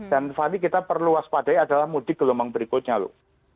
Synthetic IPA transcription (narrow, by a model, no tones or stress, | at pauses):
d̥anfanikit̪apərluaspadajadalahmud̥ɪɡəlomaŋbəɾikoɲalo̰